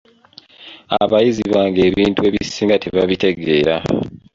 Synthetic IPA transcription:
a̰βajiziβaːŋɡe̞ːβiːntue̞ːβisiːŋɡateβaβite̞ɡe̞ːɾa

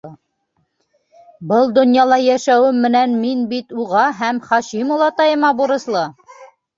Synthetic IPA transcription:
bɤlˠd̪ŏnjɑlˠɑjæʃæwɘmːɘ̆nænminbit̪uʁɑɦæmχɑʃimŏlˠɑt̪ɑjɤ̆mɑbuɾɤ̆slˠɤ

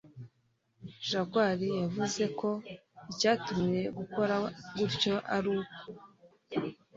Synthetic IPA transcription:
ʒaɡwaɾijavuze̞kʰo̞icaːtumije̞ɡuko̞ɾaɡuɾco̞ʔaɾuːko̥

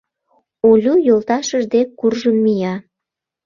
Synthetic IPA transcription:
olʲujolt̪ɑʃəʒd̪ekːurʒəmːijɑ

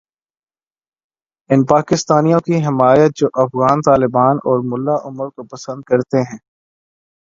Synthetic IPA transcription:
ɪnpaːkɪst̪aːnijõkiɦɪmaːjət̪̚d͡ʒoːʔɐfɣaːnt̪aːlɪbaːnɔːɾmʊlːaʔʊməɾkopɐsə̃nd̪̚kɐɾt̪eɦɛ̃ː

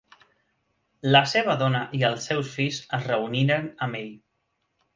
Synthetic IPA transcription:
ləseβ̞əðɔnəʔiəlˠsewsfizəzrəuniɾənəmeʎ

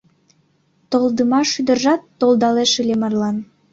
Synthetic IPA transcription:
t̪old̪əmɑʃyd̪ərʒɑt̪ːold̪ɑleʃɯlʲemɑrlɑn

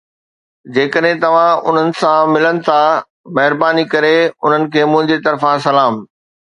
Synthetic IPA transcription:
d͡ʑeːkəɗɦɪ̃t̪ɐʋ̤ãʊ̰n̤ənɪ̆sãmɪlənɪ̆t̪ʰa | mɐɦɪɾbaːnikɐɾeʊn̤ənɪ̆kʰeːmʊ̃ɦɪ̃ɲd͡ʑet̪ɐɾfãsɐlaːm

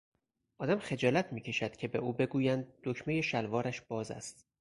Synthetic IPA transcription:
ʔɒːd̪æmxe̞d͡ʒɒːlæt̪ʰmiːcʰe̞ʃæd̪̥cʲʰe̞be̞ʔuːbe̞ɡuːjænd̪̚ːocʰme̞jeʃælvɒːɾæʃb̥ɒːzæ̰st̪

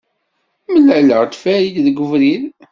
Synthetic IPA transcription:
məlʕələʁt̪fæɾid̪ðɡʷəvɾið

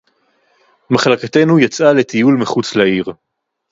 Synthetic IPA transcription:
maχlakat̪e̞nujat͡sʔale̞t̪ijulmiχut͡slaiʁ

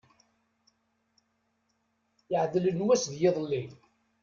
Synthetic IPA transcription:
jəʕðlənwæsðjɪðˤlːin

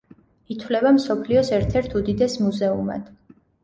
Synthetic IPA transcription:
it̪ʰwlɛbamsɔpʰliɔsɛɾt̪ʰɛɾt̪ʰud̪id̪ɛsmuzɛuma̰d̪̥

